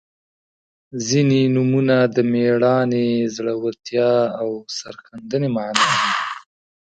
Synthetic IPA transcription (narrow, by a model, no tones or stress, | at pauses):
zinenumunad̪əmeɽɑnezɽəwat̪jɑawsa̰ɾxand̪ənemaʕnɑd̪i